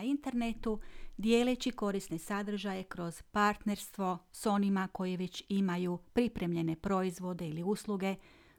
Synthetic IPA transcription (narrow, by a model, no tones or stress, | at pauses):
int̪eɾne̞t̪ud̪je̞ːlet͡ɕiko̞ɾisne̞sad̪r̩ʒaje̞kɾo̞z̥paɾt̪ne̞ɾst̪ʋo̞so̞nimako̞jiʋe̞t͡ɕimajupɾipɾe̞mʎe̞ne̞pɾo̞izʋo̞d̪e̞iliuslˠuɡe̞